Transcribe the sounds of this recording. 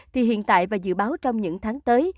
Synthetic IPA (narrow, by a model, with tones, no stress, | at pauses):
t̪ʰi˨˩ɦḭ˧˨ənt̪a̰ː˧˨jvaː˨˩zɨ̰˧˨ɓaː˨˦wt͡ɕɔ˧wŋ͡mɲɨ̰˧˥ŋt̪ʰaː˨˦ŋt̪əː˨˦j